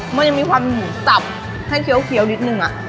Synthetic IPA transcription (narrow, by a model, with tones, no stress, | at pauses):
ma˧nja˧˩ŋmiː˧kʰwaː˧mjuː˨˩˦sa˨˩p̚ | ha˥˩jkʰi˨˦wkʰi˧˦əwni˦˥t̪̚nɯ˧ŋʔa˨˩ʔ